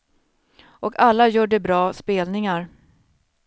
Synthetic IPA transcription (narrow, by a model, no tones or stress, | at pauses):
ʔɔkʰalːajuːɖəbɾɑːspeːlnɪŋaɾ